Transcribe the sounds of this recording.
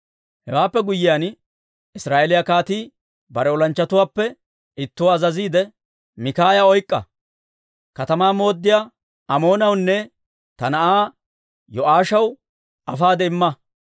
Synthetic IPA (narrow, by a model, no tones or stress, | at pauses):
hɛwaːpːɛɡʊjːɪjan | ɪsɾaːʔelɪjɐkaːt̪iː | bɐɾɛɔlɐnt͡ʃːɐt̪ʊwaːpːɛ | ɪt̪ːʊwɐzɐziːd̪ɛ | mɪkaːjɐɔjkʼːɐ̰ | kɐt̪ɐmaːmo̞ːd̪ːɪja | ɐmo̞ːnɐwnːɛ | t̪ɐnɐʔaː | jɔʔaːʃɐw | ɐfaːd̪ɛɪmːɐ